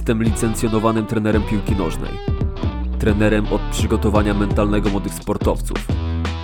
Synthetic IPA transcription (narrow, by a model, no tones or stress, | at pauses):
st̪ɛmlʲit̪sɛnt̪sʲjɔnɔvanɘmt̪ɾɛnɛɾɛmpʲiwkʲinɔʐnɛ̰j | t̪ɾɛnɛɾɛmʔɔt̪̚pʂɘɡɔt̪ɔvaɲamɛnt̪alnɛɡɔmwɔd̪ɘxspɔɾt̪ɔft̪sṵf